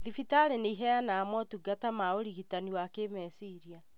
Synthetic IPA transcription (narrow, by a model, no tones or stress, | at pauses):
ðifitaɾeneiɦɛjanaːmɔtuɡatamaoɾiɣitaniwakemɛsiɾia